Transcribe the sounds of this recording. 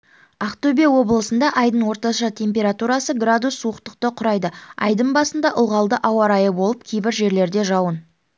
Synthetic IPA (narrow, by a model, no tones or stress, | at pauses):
aqt̪obiawo̞bəlˠəsənd̪ɑʔɑjd̪əɴwo̞ɾt̪ɑʃɑt̪ʲʰe̞mp̬ʲe̞ɾat̪uɾɑsəɡrad̪usːuəqt̪əq̚t̪əqʰʊɾɑjd̪əɑ̰jd̪əɴbɑsənd̪ɑʔʊlˠʁɑlˠd̪əʔɑwɑɾɑjəbo̞lˠəp̚kʲʰejbɪɾʒe̞ɾle̞ɾd̪e̞ʒɑwən